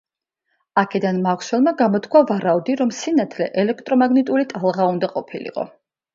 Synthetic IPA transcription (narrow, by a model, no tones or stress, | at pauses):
akʰɛd̪anmaʁswɛlˠmaɡamɔt̪ʰkʰwavaɾaud̪iɾɔmsinat̪ʰlɛ̰ʔɛlɛk̚ʰt̪ʼɾɔmaɡnit̪ʼulit̪ʼalˠʁaund̪aqʼɔpʰilḭqʼɔ̰